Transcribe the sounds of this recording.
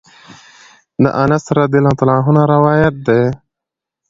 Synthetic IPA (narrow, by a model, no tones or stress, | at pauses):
d̪ə̰ʔɐnɐst̪ɾɐd̪ilat̪alãːɦunaɾɐwaːjɐt̪̚d̪eː